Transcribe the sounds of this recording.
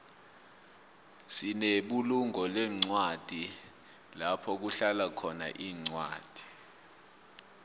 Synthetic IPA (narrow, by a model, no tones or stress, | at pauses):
sineɓuluŋɔlɛŋ͡ǀwad̥ʱi | lapʰɔk̬uɬalakʰɔna̰ʔiːŋ͡ǀwa̰ːd̥ʱi̥